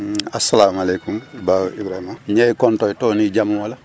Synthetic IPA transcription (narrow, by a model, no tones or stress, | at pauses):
asːalaːmalɛkumbaːoibɾahimaɲɛkɔntɔitɔːnid͡ʒamãwala